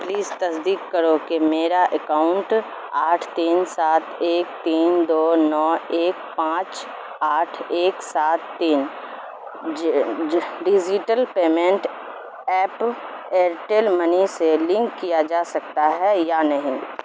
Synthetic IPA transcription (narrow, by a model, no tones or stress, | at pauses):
pliːzt̪ɐsd̪iːkːəɾokimeːɾaʔekaːʊ̃ɳʈ | aːʈʰt̪iːnsaːt̪eːk̚t̪iːnd̪oːnɔːeːk̚pãːt͡ʃ | aːʈʰeːksaːt̪ːiːn | ɖid͡ʒiʈəlpeːmẽɳʈ | ɛːp | eːɾʈeːlməniselɪ̃ŋkːijad͡ʒaːsɐk̚t̪aɦɛjanɐɦĩ